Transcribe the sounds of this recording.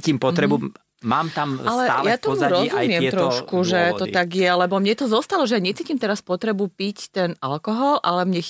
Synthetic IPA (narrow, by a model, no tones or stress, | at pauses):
cimpɔt̪ɾɛbu | maːmt̪amalɛaljat̪ɔmuɾɔzummɪɛmt̪ɾɔʃkuʒɛt̪ɔt̪aɡjɛlɛbɔmɲɛt̪ɔzɔst̪alɔʒɛjaɲɛt͡siːcimt̪ɛɾaspɔt̪ɾɛbupict̪ɛnʔalkɔɦɔlʔalɛmɲɛ